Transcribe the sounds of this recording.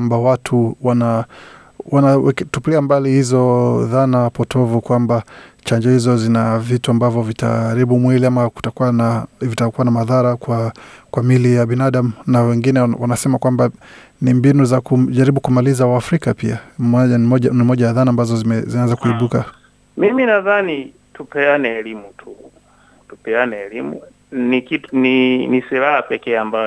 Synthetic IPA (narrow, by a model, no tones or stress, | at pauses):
mbawatʰuwana | wanawɛktupliambalihizɔðanapɔtʰɔvukwambat͡ʃaɲd͡ʒɔhizɔzinavituambavjɔvitʰa̰ɾiɓumwiliamaku̥takuwanavitakuwanamaðaɾakwakwamilijaɓinaɗamunawɛŋɡinɛwanasɛmakwambanimbinuzakuʄaɾiɓukumalizawaːfɾikapiamaaɔanimɔʄajaðanambazɔzmɛzinaɛnzakuiɓuka | miminaðani | tupɛanɛːlimutʰu | tupɛanɛːlimṵ | nikitninisiɾahapɛkɛːambaj